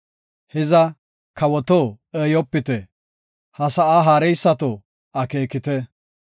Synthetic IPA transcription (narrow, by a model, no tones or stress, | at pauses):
hɛzɐ | kʰɐwɔt̪o | eːjɔpːɪt̪ɛ | hɐsɐʔaɦaːɾɛjsːɐt̪ɔ | ɐke̞ːkɪt̪ɛ